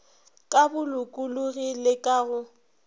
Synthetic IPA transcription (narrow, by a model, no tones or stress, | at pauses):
kʼabʊlʊkʼʊlʊɣilɪkʼaɣʊ